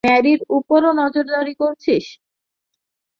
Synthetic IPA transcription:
ɛɾiɾupoɾonɔd͡ʑoɾd̪aɾikoɾt͡ɕʰiʃ

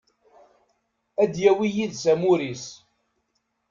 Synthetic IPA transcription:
æd̪jæwijiðsæmuɾis

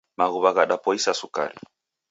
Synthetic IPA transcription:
maɣuβaɣaɗapɔisasuka̰ɾḭ

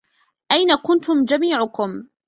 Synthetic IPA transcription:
ʔajnakʊnt̪ʊmd͡ʒamiːʕʊkʊm

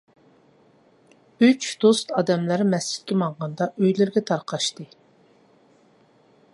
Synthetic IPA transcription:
yt͡ʃd̪ost̪ɑːd̪ɛmlæɾmɛst͡ʃɪ̥t̪̚kʲɛmɑɴʁɑnd̪ɑʔøjlɪɾɡʲɛt̪ʰɑɾqʰɑʃt̪ɨ

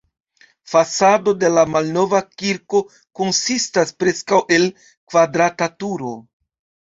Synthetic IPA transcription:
fasado̞de̞lamalno̞vakiɾko̞ | ko̞nsistaspɾe̞skawʔe̞l | kvadɾatatuɾo̞

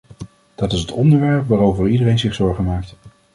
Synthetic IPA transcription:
d̥ɑtɪsɦətɔndəɹʋɛɹpʋaːrowvəɹidərejnzɪχsɔɹχəmaːkt

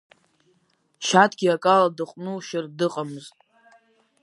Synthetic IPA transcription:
ʃatʰɡʲiakʼaladɨqʷʼnuʃɪrdɨqʼamɨztʼ

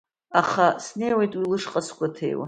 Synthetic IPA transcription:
aχasnejwejtʼwilɨʂqʼaskʷatʰḛjwa̰

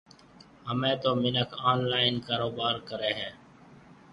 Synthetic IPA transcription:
ɦəmẽːt̪oːmɪnəkʰaːnlaːɪnkaːɾoːbaːɾkəɾeːɦɛː

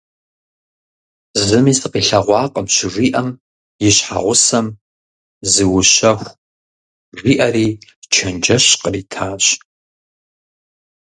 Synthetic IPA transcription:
zɨmiːsɨqiːɬɐʁʷɑːqʼəmɕɪʐʷiːʔɐm | jɪɕħa̰ʁʷʊsɐm | zɨwʊɕɐxʷ | ʐʷiːʔɐriːt͡ʃʰɐnd͡ʒɐɕqəriːtʰaːɕ

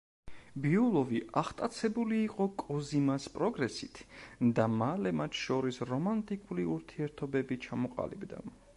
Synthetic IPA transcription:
biulˠɔviʔaχt̪ʼat̪sʰɛbuliːqʼɔkʼɔzimaspʼɾɔɡɾɛsit̪ʰd̪amalɛmat̪ʰʃɔɾisɾɔmant̪ʼikʼuliuɾt̪ʰiɛɾt̪ʰɔbɛbit͡ʃʰamɔqʼa̰libd̪a̰

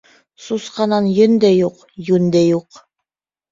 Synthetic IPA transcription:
susqɑnɑnjɵ̆nd̪æjuq | jʉnd̪æjuq

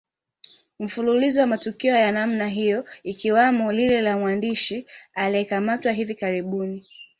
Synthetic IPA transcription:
m̩fululizɔwamatukiɔjanamnaɦijɔikiwamɔlilɛlamwandiʃialiɛkamatwaɦivikaɾiɓuni

